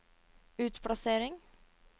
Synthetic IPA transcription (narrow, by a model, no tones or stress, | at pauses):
ʉːt̪pʰɽɑseːɾɪŋ